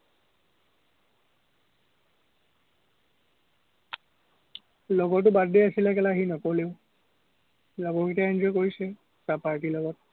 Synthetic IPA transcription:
lɔɡɔt̬ʊbadeasilɛkɛlaɦinɔkoleʊ | lɔɡɔkitaɛnd͡ʒɔjkoɹisɛ | sapaɹtilɔɡɔt̚

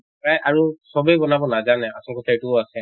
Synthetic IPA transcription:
pɹajʔaɹusɔbejbɔnabɔnazanɛa̰sɔlkɔtʰajtuasɛ

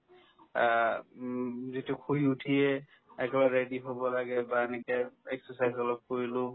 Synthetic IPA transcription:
zitukʰuiutʰijɛ | ɛkɛbaɹediɦobɔlaɡɛbaɛnɛkɛɛksɔsajzɔlɔb̚koɹilʊ̃

